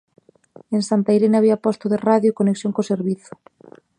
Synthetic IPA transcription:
ensant̪ajɾenaβiapɔst̪oðeraðjokoneksjõŋkoseɾβiθʊ̥

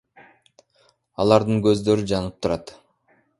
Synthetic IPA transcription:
ɑlˠɑɾd̪ɯŋɡø̞zd̪ø̞ɾyd͡ʒɑnɯp̚t̪ʰuɾɑt̪

